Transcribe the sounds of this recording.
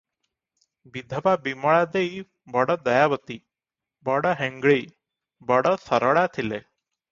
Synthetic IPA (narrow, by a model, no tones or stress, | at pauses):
bid̪ʱəbabiməɭad̪ei | bəɽəd̪əjaʋət̪i | bəɽəɦɛ̃ŋɡɭei | bəɽəsəɾəɭat̪ʰile